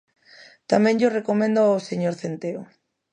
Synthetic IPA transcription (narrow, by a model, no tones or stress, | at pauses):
t̪amɛ̃ŋʎorekomẽnd̪oaoseɲoɾθent̪eo